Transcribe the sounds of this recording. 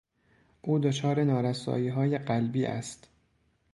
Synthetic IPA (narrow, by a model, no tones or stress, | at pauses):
ʔuːd̪ot͡ʃʰɒːɾe̞nɒːɾæsɒ̰ːjiːɦɒːje̞ɢælbiːʔæ̰st̪